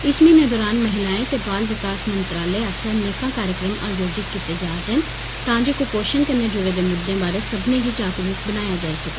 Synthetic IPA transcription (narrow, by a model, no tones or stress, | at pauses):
ɪsmĩːnẽːd̪ɔːɾaːnməɦɪlaːẽːt̪ebaːlʋɪkaːsmə̃nt̪ɾaːleːaːsəneːkãːkaːɾjəkɾəma̰ːzoːd͡ʒɪt̪̚kit̪ed͡ʒaːt̪ɦən | t̪ãːd͡ʒeːkopoːʃənkənːeːd͡ʒoːɾeːd̪eːmʊd̪ːẽːbaːɾesəbnẽːɡiːt͡ʃaːkliːkbənaːjaːd͡ʒaːisɐke